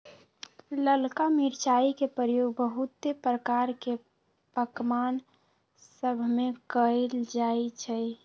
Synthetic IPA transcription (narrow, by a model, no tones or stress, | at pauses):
ləlkamiɾt͡ʃaikepɾəɾəjoɡ̚bəɦut̪ːepɾəkaɾke | pəkman | səbʱmekəld͡ʒajt͡ʃʰɛ